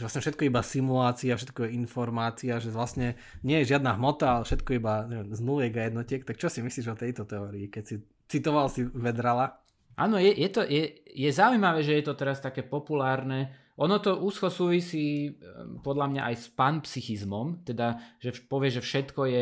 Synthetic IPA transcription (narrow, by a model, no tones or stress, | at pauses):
ʒɛʋlasɲɛfʃɛt̪̚kɔibasimulaːt͡siafʃɛt̪̚kɔjɛinfɔɾmaːt͡siaʒɛʋlasɲɛ | ɲɪɛjɛʒɪad̪naɦmɔt̪aalɛfʃɛt̪kɔibaɲɛʋɛmznuljɛɡajɛd̪nɔcɪɛk̚t̪ak̚t͡ʃɔsimisliʒɔt̪ɛjt̪ɔt̪ɛɔːɾiːkɛcsi | t͡sit̪ɔʋalsiʋɛd̪ɾala | ʔa̰ːnɔjɛjɛt̪ɔjɛjɛzaujmaʋɛːʒɛjɛt̪ɔt̪ɛɾast̪akɛːpɔpulaːɾnɛ | ʔɔnɔt̪ɔʔuːskɔsuːʋisiː | pɔd̪lamɲaʔajspanpsixizmɔmt̪ɛd̪aʒɛpɔʋɪɛʒɛfʃɛt̪kɔjɛ